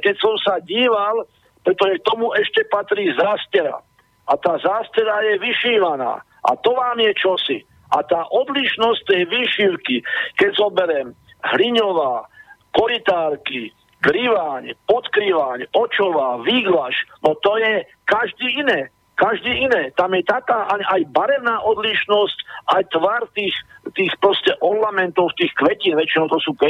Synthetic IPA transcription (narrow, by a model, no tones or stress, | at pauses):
kɛcsɔmsaɟiːʋal | pɾɛt̪ɔʒɛk̚t̪ɔmuʔɛʃcɛpat̪ɾiːzaːscɛɾa̰ | at̪aːzaːscɛɾajɛʋiʃiːʋana̰ː | ʔa̰t̪ɔʋaːmjɛt͡ʃɔsi | ʔa̰t̪aːʔɔd̪liʃnɔsc̚t̪ɛjʋiːʃiʊkikɛɟzɔbɛɾɛm | ɦliɲɔʋaːkɔɾit̪aːɾki | ɡɾiʋaːɲpɔt̪kɾiʋaɲɔt͡ʃɔʋaːʋiːɡlaʃnɔt̪ɔjɛ | kaʒd̪iːinɛː | kaʒd̪iːʔinɛːt̪amjɛt̪akaːʔaɲajbaɾɛʊnaːʔɔd̪liʃnɔscʔajt̪ʋaɾt̪iːxt̪iːxpɾɔscɛʔɔlːamɛnt̪ɔʊt̪iːxkʋɛciːnʋɛt͡ʃinɔʊt̪ɔsuːkɛ